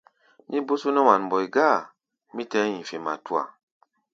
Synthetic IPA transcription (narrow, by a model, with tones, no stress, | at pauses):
mi˦bu˦su˦nɛ˦wa˨nbɔ˨jɡa˦˨ | mi˦tɛ˨˦jĩ˨fe˨ma̰˨tu˦a̰˨